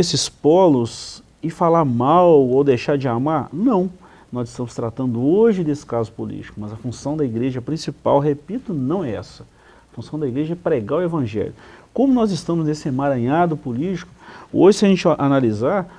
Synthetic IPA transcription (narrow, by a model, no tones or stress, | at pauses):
esɪspɔlʊs | ɪfalaɾmawowd̪ejʃaɾd͡ʒɪamaɾnɐ̃w̃ | nɔzɪst̪ɐ̃mʊst̪ɾat̪ɐ̃nd̪ʊoʒɪd̪esɪ̥kazʊpulḭt͡ʃi̥kʊmɐzɐfũsɐ̃w̃d̪ɐiɡɾeʒɐpɾĩsipawɦepit̪ʊnɐ̃w̃ɛɛ̰sɐ̥ | ɐfũsɐ̃w̃d̪ɐiɡɾeʒɐɛpɾeɡawevɐ̃ʒɛ̰ljʊkõmʊnɔzɪst̪ɐ̃mʊznesɪmaɾɐ̃ɲad̪ʊpulit͡ʃi̥kʊ̥oʒɪsɪɐʒẽnt͡ʃʔanalizaɾ